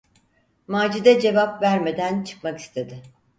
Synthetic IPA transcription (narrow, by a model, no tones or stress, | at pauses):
maːd͡ʒid̪ɛd͡ʒe̞vapvæɾme̞d̪ænt͡ʃʰɯ̥kmaki̥st̪ʰe̞d̪ɪ